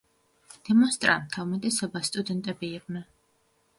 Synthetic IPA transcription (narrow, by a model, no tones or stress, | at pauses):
d̪̥ɛmɔnst̪ʼɾa̰nt̪ʰːamɛd̪ɛsabast̪ʼud̪ɛnt̪ʼɛbiːqnɛ